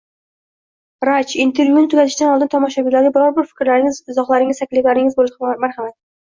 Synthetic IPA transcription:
ɾat͡ʃint̪ʰe̞ɾvʲjunɪt̪ʊɡʲat̪ʰɪʃd̪anɒlˠd̪ɪnt̪ʰɒmɒʃabilaɾʲɪbɪɾɒɾbɪɾfɪ̥kʲɾlaɾɪŋɪzɪzɒχlˠaɾɪŋɪzt̪ʰakʲlɪflaɾɪŋɪzbolˠɪpmaɾhamat̪̚

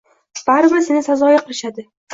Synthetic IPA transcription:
b̥aɾɪbɪɾsenɪsazɒjaqʰɨlˠɪʃad̪ɪ

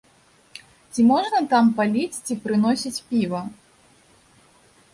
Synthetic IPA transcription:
t͡sʲimɔʐnɐt̪ampalʲit͡sʲt͡sʲipɾɨnɔsʲit͡sʲpʲivɐ

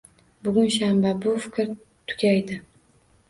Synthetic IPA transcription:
bʊɡʲʊnʃambabʊfɪkʲɾ | t̪ʰʊ̥kʲajd̪ɪ

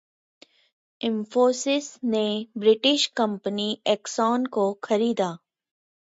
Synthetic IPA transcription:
ɪ̃mfoːsɪsnebɾɪʈɪʃkɐ̃mpəniɛːksɔːnkoxʰɐɾiːd̪aː

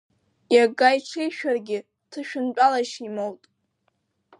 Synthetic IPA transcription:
jaɡajʈ͡ʂʰejʃᶣarɡʲɪ | tʰɨʃᶣʊnt͡pʼalaʃimowtʼ

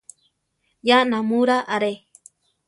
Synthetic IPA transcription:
jaʔnãmũɾaʔaɾe

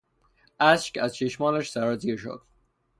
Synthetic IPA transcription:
ʔæʃkæzt͡ʃʰeʃmɒːlæʃsæɾɒziːɾʃo̰d̪̥

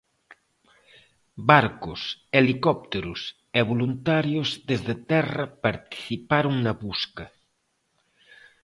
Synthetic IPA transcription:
baɾkʊselikɔp̚t̪eɾʊs | eβolunt̪aɾjozðezðet̪ɛrɐpaɾt̪i̥θipaɾoŋnɐβuskɐ

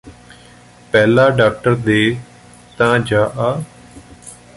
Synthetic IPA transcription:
pɛːlaːɖaːk̚ʈəɾd̪eː | t̪ãːd͡ʒaːʔaː

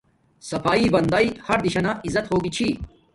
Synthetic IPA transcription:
sɐfaːibɐnd̪aːihɐɾd̪iɕɐnaʔizɐt̪hoːɡit͡ɕʰi

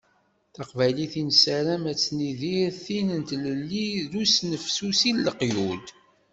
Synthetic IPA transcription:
θɑqvæjliθinsæɾæmæt͡sːniðiɾθinənt̪ləlːiðusnəfsusilləqjud̪

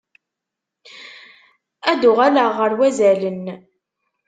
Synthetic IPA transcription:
æd̪ʊʁæləʁːəɾwæzælən

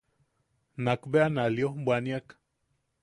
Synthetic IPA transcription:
nakbeanaliobwaniak

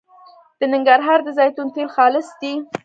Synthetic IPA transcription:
d̪̥ənɪŋɡaɾɦɑɾd̪əzɑjt̪unt̪elxɑlɪsd̪i

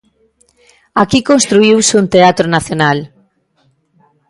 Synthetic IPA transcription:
akikonst̪ɾuiwsunt̪eat̪ɾonaθjonal

